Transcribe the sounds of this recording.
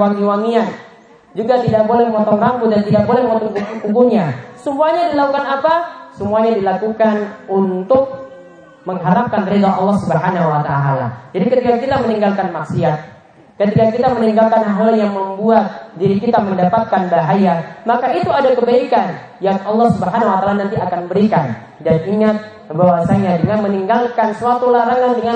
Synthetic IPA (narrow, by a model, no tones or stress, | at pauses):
waŋiwaŋian | d͡ʒuɡat̪idak̚bolɛməŋɔt̪ɔŋrambʊt̪̚dant̪idak̚bolɛhməŋɔt̪ɔŋkuɡukuɡuɲasəmuaɲadilakukanapasəmuaɲadilakukanunt̪ʊk̚ | məŋɦaɾap̚kank̪əɾeɡaʔɑlːɑhsəbəɦanawat̪aaːla̰d͡ʒadikət̪ikakit̪aməniŋɡalkanmaksiat̪̚ | kət̪ikakit̪aməniŋɡalkanɦawaljaŋməmbuat̪̚diɾikit̪aməndapat̪̚kanbaɦajamakait̪uadakəbaikan | jaŋɑlˠːɑhsubəɦanawat̪aːlanãnt̪iakanbəɾikan | daniŋat̪̚ | bawasaɲadəŋanməniŋɡalkansəat̪ulaɾaŋandəŋa